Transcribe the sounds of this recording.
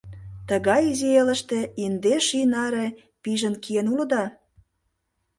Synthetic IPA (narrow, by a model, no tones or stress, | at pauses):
t̪əɣɑjizielə̆ʃt̪ĕind̪eʃinɑɾe | piʒə̆nkʰienulə̆d̪ɑ